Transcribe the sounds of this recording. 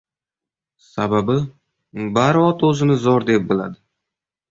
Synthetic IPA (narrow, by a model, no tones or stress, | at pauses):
sababɪ | baɾɒt̪ɵzɪnɪzɒɾd̪e̞p̚bɪla̰d̪ɪ